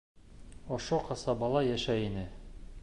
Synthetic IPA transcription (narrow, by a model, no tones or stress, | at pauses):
ŏʃoqɑsɑbɑlˠɑjæʃæinɘ